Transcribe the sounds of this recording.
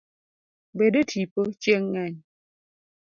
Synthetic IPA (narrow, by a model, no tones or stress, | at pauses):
bedətʰipət͡ʃjeŋːaɲ